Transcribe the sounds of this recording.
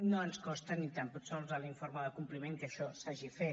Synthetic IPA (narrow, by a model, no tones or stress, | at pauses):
noənskɔst̪ənit̪amput̪seolzaliɱfoɾməðəkumplimeŋkəʃɔsaʒife